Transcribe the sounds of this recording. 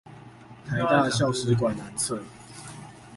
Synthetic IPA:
t̪ʰa˨˦ɪt̪a˥˧ɕjɑ˥˨ʊʂɻ̩˧˥k̬wa˨˩nna˨˦nt͡sʰə˥˨

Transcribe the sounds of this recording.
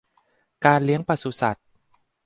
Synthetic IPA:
kaː˧nli˦˥əŋpa˧su˧˩sa˨˩t̪̚

